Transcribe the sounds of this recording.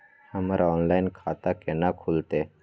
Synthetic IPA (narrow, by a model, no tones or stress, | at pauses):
həmaɾʔaɔnlainkʰat̪akenakʰult̪e